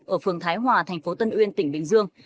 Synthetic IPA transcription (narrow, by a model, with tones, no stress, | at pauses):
ʔəː˧˩fɨ˨˩əŋt̪ʰaː˨˦jɦwaː˨˩t̪ʰɛ˨˩jŋ̟fo˨˦t̪ə˧nʔwi˧ənt̪ï˧˩ŋ̟ɓï˧˩ŋ̟zɨ˧əŋ